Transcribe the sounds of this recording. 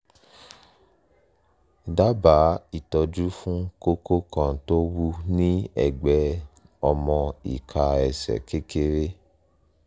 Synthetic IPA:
da˦ba˨˦i˨tɔ˧d͡ʒu˦fũ˦ko˦ko˦kʰɔ̃˨to˦wu˦nĩ˦ɛ̰˨ɡ͡bɛ˨˦ | ɔ˧mɔ̃˧ḭ˨kʰa˧ɛ˨sɛ̰˨ke˦ke˧ɾe˦

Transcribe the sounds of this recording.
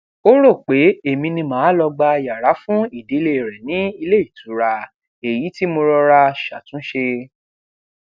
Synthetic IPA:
o˦ɾo˦˨k͡pe˨˦e˨mĩ˧nĩ˧mãː˨˦lɔ˧ɡ͡ba˧ja˨ɾa˨˦fũ˦i˦˨de˨˦le˧˨ɾɛ˨nĩ˨˦i˧le˦i˦˨tu˨˦ɾa˧ | e˨ji˨˦ti˦mo˧ɾɔ˧ɾa˧ʃa˨tũ˨˦ʃe˧

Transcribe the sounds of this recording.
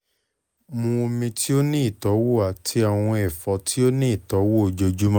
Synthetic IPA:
mũ˧o˧mĩ˧ti˦o˦nĩ˦i˦˨tɔ˨˦wo˦˨a˨tʰi˦a˨w̃ɔ̃˧ɛ˨fɔ˨˦ti˦o˦nĩ˦i˦˨tɔ˨˦wo˦o˨d͡ʒo˧d͡ʒu˦mã˦

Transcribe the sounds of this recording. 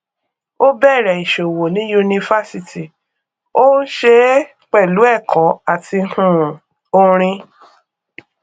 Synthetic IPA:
o˦bɛ˦˨ɾɛ˨i˨ʃo˨wo˨nĩ˦ju˧nĩ˧fa˦si˧ti˨ | o˦ʃe˦ | k͡pɛ˦˨lu˨˦ɛ˦˨kɔ˨˦a˨ti˧hũ˦˨ | o˧ɾ̃ĩ˧

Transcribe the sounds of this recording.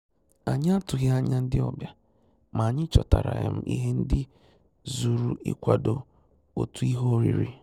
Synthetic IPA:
a˨ɲ˦a˦tʊ˨ɣa˦a˦ɲa˦n̩˦dɪ˦ɔ˦bja˦ | ma˨ɲɪ˦t͡ʃɔ˨ta˨ɾa˨ɣḛ˨m̩˦ʔḭ˦ɦe˦n̩˦dɪ˦ | zu˨ɾu˦ḭ˦kʷa˦do˨ | o˨tu˦i˦ɦo˦o˦ɾḭ˨ɾi˦

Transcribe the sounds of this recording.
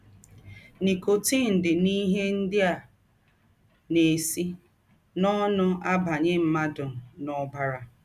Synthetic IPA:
ni˨ko˨ti˦˨n̩˨dɪ˨ni˦ɦe˦n̩˦dɪ˦a˨ | ne˨si˦ | nɔ˦nʊ˦a˦ba˨ɲe˦m̩˦ma˦dʊ˨m̩˨nɔ˦ba˦ɾa˦

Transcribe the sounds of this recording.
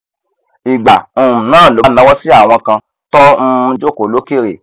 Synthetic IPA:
i˨ɡ͡ba˨o˨ũ˨nãː˦˨lo˨˦nã˨˦wɔ˦si˦a˦˨w̃ɔ̃˧kã˧ | tɔ̃˦˧d͡ʒo˦˨ko˨lo˨˦ke˦˨ɾḛ˨

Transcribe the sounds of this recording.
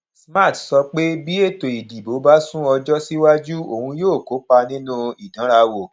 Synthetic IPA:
sma˦˨tsɔ˧k͡pe˦bi˦e˦˨to˨i˨di˨bo˨˦ba˦sũ˦ɔ˧d͡ʒɔ˦si˦wa˦d͡ʒu˦o˦˨hũ˧joː˦˨ko˨˦k͡pa˧nĩ˦nũ˦i˨dã˨˦ɾa˧wo˨

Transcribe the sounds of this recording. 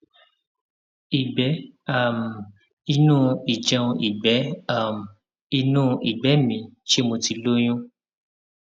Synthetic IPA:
i˨ɡ͡bɛ˨˦a˦˨m˨ | i˧nũː˦i˨d͡ʒã˧ʔi˨ɡ͡bɛ˨˦a˦˨m˨ | i˧nũ˦i˨ɡ͡bɛ˨˦mĩ˧ʃe˦mo˧ti˧lo˦j̃ũ˦

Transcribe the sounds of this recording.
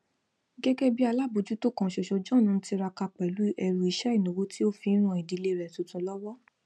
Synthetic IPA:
ɡɛ˦ɡɛ˦bi˦a˧la˦˨bo˨˧d͡ʒu˦to˦˨kã˧˨ʃɔ˨ʃɔ˧d͡ʒɔ̃˦˨nũ˨˦n̩˦ti˧ɾa˧ka˧k͡pɛ˨lu˨˦ɛ˧ɾu˧˦i˧ʃɛ˦i˦˨nõ˨wo˦ti˦o˦fi˧˦ɾ̃ũ˧˨i˨di˨˧˦le˧ɾɛ˨tu˨tũ˧˦lɔ˦wɔ˦

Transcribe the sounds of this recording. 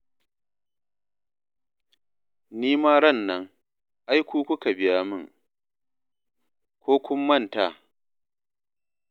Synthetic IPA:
niː˦maː˦ɽɐ˦˨nːɐ˦ŋ | ʔa˦jkʷuː˦kʷʊ˦ka˨bɪ˨jaː˦mɪ̰˦˨ŋ | kʷoː˦kʷʊ˦mːɐ˦˨nta̰˨

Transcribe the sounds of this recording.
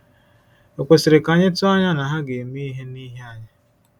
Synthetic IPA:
o˨kʷe˨sɪ˨ɾɪ˨ka˨ɲɪ˦tʊ˦a˦ɲa˦na˨ɦa˦ɡe˨mi˦i˦ɦe˦ni˦ɦe˦a˨ɲa˦

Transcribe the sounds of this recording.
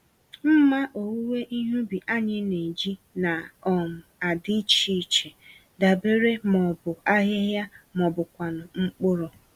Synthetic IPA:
m̩˦ma˦ʔo˨wu˦we˦ʔi˦ɦu˦bi˨ʔa˦ɲɪ˦ne˨d͡ʒi˦ | na˨ɔ˨m̩˨a˨dɪ˦t͡ʃi˦˨t͡ʃe˨ | da˨be˦ɾe˦mɔ˨bʊ˨a˦ɦɪ˦ɦja˦mɔ˨bʊ˨kʷa˨nʊ˨ŋ͡m̩˦k͡pʊ˦ɾɔ˨

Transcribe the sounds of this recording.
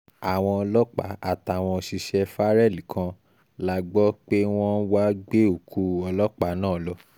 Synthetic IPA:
a˨w̃ɔ̃˧ɔ˧lɔ˦k͡pa̰˨˦a˦˨ta˨w̃ɔ̃˧ʃi˧ʃɛ˧fa˦ɾɛ˦˨li˨˦kʰã˧ | la˧ɡ͡bɔ˦k͡pe˦w̃ɔ̃˦n̩˦wa˦ɡ͡be˦o˦˨kʰu˧˦ɔ˧lɔ˦k͡pa˨˦nãː˦˨lɔ˧˦

